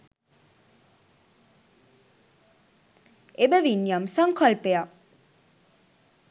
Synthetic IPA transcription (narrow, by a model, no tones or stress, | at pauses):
ebəʋinjamsaŋkʰalpeja